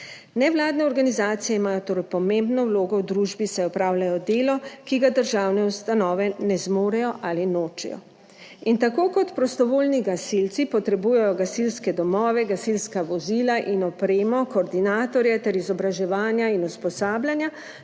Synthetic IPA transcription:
nɛwlaːd̪nɛɔɾɡanizaːt̪sijɛimaːjɔt̪oːɾɛjpɔmẽmbnɔwloːɡɔwd̪ɾuʒbisɛɔpɾaːwlajɔd̪eːlɔkiɡad̪əɾʒaːwnɛust̪anɔːʋɛnɛzmoːɾɛjɔʔaːlinoːt͡ʃɛ̰jɔ̰ | int̪akoːkɔt̪pɾɔst̪ɔʋoːlniɡasilt̪sipɔt̪ɾɛbujɛjɔɡasilskɛd̪ɔmɔːʋɛɡasilskaʋɔzilaʔinɔpɾeːmɔkoːɾd̪inaːt̪ɔɾjɛt̪ɛɾizɔbɾaʒɛʋaːnjainuspɔsaːblʲjanja

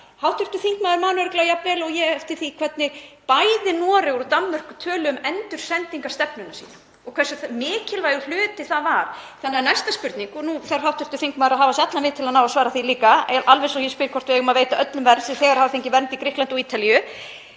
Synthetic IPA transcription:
hawht̪ʰʏɾ̥t̪ʏθfiŋkmaːðɪɾmaːnʏɛɾklaːwjapvɛːlɔɣjɛɛft̪ɪ̥θikʰv̥ɛt̪̚nɪpaːjðɪnɔːɾɪɣɾɔt̪ammɛr̥kʏt̪ʰœːlʏʏmɛnt̪ʏɾ̥sɛnt̪iŋkast̪ɛpnʏnasiːðan | ɔkʰvɛrsʏθamɪːcɪlvaːjɣʏ̥l̥ʏːt̪ɪθaðvaɾ̥θanːɪanajst̪aspʏɾt̪niŋkɔnuθɛ̥ɦawht̪ʰʏ̥r̥t̪ʏθiŋkmaːðɪɾaɦaːvasat̪lavɪðt̪ʰɪlaðnaːwvasvaːɾaθiliːkaʔalvɛnsɔjɛspɪɾkʰɔ̥t̪vɪɛɣʏmaveːjt̪aʔœt̪lʏmvɛɾsɛθɛːɣaɾ̥haːvaθeɲcɪvɛnt̪ikɾɪhklant̪ɔɣiːt̪alijʏ

